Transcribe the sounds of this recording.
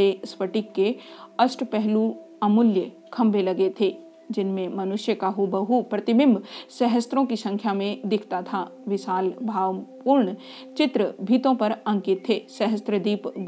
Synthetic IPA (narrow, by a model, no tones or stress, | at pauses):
esʋəʈɪkːeɐsʈpɛɦluɐmʊljə | kʰɐ̃mbʱelɐɡet̪ʰeː | d͡ʒɪnmẽmɐnʊʃjəkaɦubɐɦupɾɐt̪ɪbɪ̃mbʱsɛɦəst̪ɾõkisɐ̃ŋkʰjamẽd̪ɪkʰt̪at̪ʰaʋɪʃaːlbʱaːʋpuːɾɳ | t͡ʃɪt̪ɾəbʱiːt̪õpɐɾɐ̃ŋkɪt̪ʰːeːsɛɦəst̪ɾəd̪iːpɡ